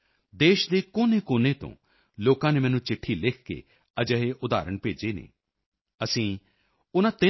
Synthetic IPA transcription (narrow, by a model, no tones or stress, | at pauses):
d̪eːʃd̪eːkoːneːkoːnẽːt̪õ̰ː | loːkãːneːmɛːnũːt͡ʃɪʈʰːiːlɪkʰkḛː | əd͡ʒəɦeːʔʊd̪a̰ːɾəɳpeːd͡ʒeːnḛː | əsĩː | ʊnãːt̪ɪ